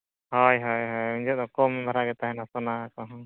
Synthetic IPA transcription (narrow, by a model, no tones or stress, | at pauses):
ɦɔjɦɔjɦɔjuɲd͡ʒɔd̪ɔkɔmɛbʱaɾaɡɛt̪aɦɛnasɔnaːkɔɦɔ